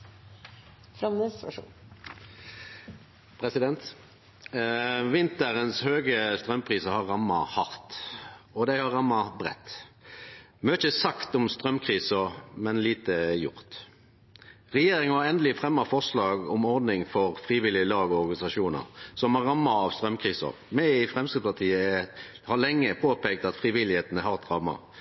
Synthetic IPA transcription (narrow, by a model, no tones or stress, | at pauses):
fɾɑmnəsṵ | pʰʁɛsɪd̪ɛnt̪ | ʋɪnt̪əɾənshøːɡəst̪ɾʁœmːpʰʁiːsəhɑʁɑmːɑ̰hɑʁt̪ɔd̪æɪhɑʁɑmːɑbʁɛ̰t̪ː | møːçəsɑkt̪ɔmst̪ʁœmkʰʁiːsəmɛnliːt̪əɛjʊ̰ʁt̪ | ʁɛjeːɾɪŋɑɑɾɛnd̪əlɪəfʁɛmːɑfɔʁʂlɑːɡɔmɔɾd̪nɪŋfɔɾfɾiːʋɪlɪəlɑːɡɔɔɾɡɑnɪsɑʂuːnə̰ɾsɔmæʁɑmːɑɑʋst̪ɾœmkʰʁiːsɔ̰ʁmɛɪfʁɛmskəd̪spɑʁt̪ʰiːə | hɑlɛŋːəpʰoːpɛːkt̪ɑt̪fʁiʋɪlɪheːt̪nəɦɑʁɛt̪ʁɑmːɑ̰